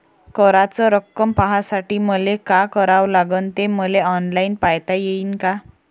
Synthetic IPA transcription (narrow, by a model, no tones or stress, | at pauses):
kəɾat͡sɔɾəkːəmpaɦasaʈiːməlekakəɾaʋlaɡənt̪eməleɔnlainpajt̪ajeiːnka